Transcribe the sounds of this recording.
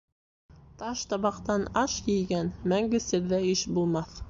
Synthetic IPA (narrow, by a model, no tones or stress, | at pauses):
t̪ɑʃt̪ɑβɑqt̪ɑnɑʃjɘ̆jɡænmæŋɡɘ̆sɘ̆ɾðæɘʃbulˠmɑθ